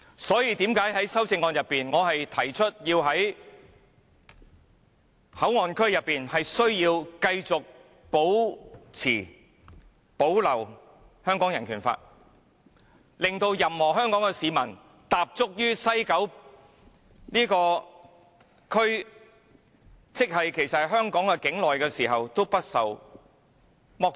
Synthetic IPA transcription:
sɔː˨˥jiː˧t̪iː˨˥mkaː˨˥jɦɐ˨˥jsɐ˥wt͡sɪ˧ŋːɔː˨˧njɐ˨pːiː˨nŋɔː˨˧ɦɐ˨jt̪ʰɐ˨˩jt͡ʃʰɵ˥t̚jiː˧wɦɐ˨˥j | hɐ˨˥wŋɔː˨˧nkʰɵ˥ɥjɐ˨pːiː˨nhɐ˨jsɵ˥ɥjiː˧wkɐ˧jt͡sʊ˨k̚ | po˨˥wt͡sʰiː˨˩ | po˨˥wlɐ˨˩w | hœː˥ŋkɔː˨˥ŋjɐ˨˩nkʰyː˨˩nfa̰ː˧t̚ | lɪ˨ŋt̪o˧wjɐ˨mhɔː˨˩ɦœː˥ŋkɔː˨˥ŋɛ˧siː˨˧mɐ˨˩n | t̪aː˨p̚t͡sʊ˥k̚jyː˥sɐ˥jkɐ˨˥w | niː˥kɔː˧ | kʰɵ˥ɥ | t͡sɪ˥k̚hɐ˨jkʰe˨˩jsɐ˨ɦœː˥ŋkɔː˨˥ŋkɛ˧kɪ˨˥ŋlɔː˨jkɛː˧siː˨˩ɦɐ˨wt̪o˥wpɐ˥t̚sɐ˨w | mɔː˧˥k̚

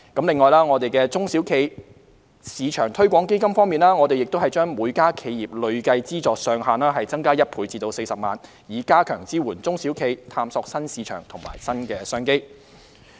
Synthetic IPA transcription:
kɐ˨˥mlɪ˨ŋːɔː˨jlaː˥ŋɔː˨˧t̪e˨jkɛː˧t͡sʊ˥ŋsi˨˥wkʰe˧j | siː˨˧t͡ʃʰœː˨˩ŋt̪ʰɵ˥ɥkʷɔː˨˥ŋke˥jkɐ˥mfɔː˥ŋmiː˨nlaː˥ŋɔ˨˧t̪e˨jɪ˨k̚t̪o˥hɐ˨˩jt͡ʃœː˥ŋmuː˨˧jkaː˥kʰe˧jjiː˨p̚lɵ˨˧ɥkɐ˧jt͡siː˥t͡sɔː˨k̚sœː˧ŋɦaː˨naː˥ɦɐ˨jt͡sɐ˥ŋkaː˥jɐ˥t̚pʰuː˨˧˥t͡siː˧t̪o˧wse˧jsɐ˨p̚maː˨n | jiː˨˥kaː˥kʰœː˨˩ŋt͡siː˥wuː˨˩nt͡sʊ˥ŋsi˨˥wkʰe˧jt̪ʰaː˧msɔː˧k̚sɐ˥nsiː˨˧t͡ʃʰœ̰ː˨˩ŋt̪ʰʊ˨˩ŋma̰ː˨˩jsɐ˥nkɛː˧sœː˥ŋke˥j

